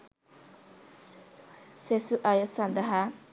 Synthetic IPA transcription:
sesuʔajəsɐnd̪ɐɦa

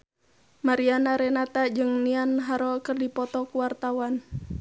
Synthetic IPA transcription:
maɾianaɾɛnat̪ad͡ʒɨŋnianɦaɾɔlkɨrdipɔt̪ɔkuwart̪awan

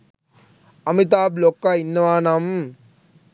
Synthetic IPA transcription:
ɐmit̪̬aːblokːainːʋaːnɐm

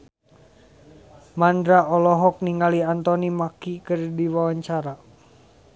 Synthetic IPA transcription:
mandɾaɔlɔɦɔk̚niŋɡaliant̪ɔnimakikərdiwawaɲt͡ʃaɾa

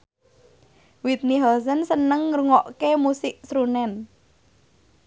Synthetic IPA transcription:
wit̪̚niɦɔls̬ənsənəŋːɾuŋɔʔkemusɪʔsɾunɛn

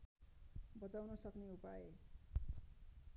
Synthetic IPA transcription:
bʌt͡sawnʌsʌkneupae

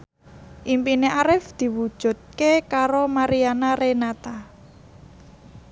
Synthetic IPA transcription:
ʔimpineʔaɾɪfd̪̥i̤wud̥ʒ̥ṳt̪̚kekaɾomaɾianaɾenat̪a

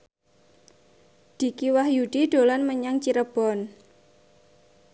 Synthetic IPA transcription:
d̪̥i̤kiwahjuɖ̥iɖ̪̥o̤lanməɲaŋt͡ʃiɾəb̥ɔ̤n

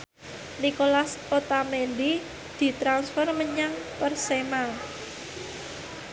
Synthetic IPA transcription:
nikolasot̪amendi | d̪̥i̤t̪ɾansfɔrməɲaŋpərsema

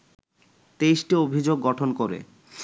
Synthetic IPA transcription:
t̪ejʃʈiobʱid͡ʑoɡːɔʈʰonkoɾḛ

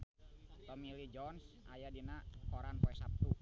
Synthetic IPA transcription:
t̪ɔmilid͡ʒɔnsʔa̰jadinakɔɾanpɔɛsap̚t̪u

